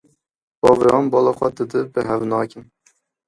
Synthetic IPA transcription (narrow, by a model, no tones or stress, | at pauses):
b̥ɑːvɾɑːnbɑːlˠɑχʷɛd̪ɨd̪ɨbɨɦɛvnɑːkɨn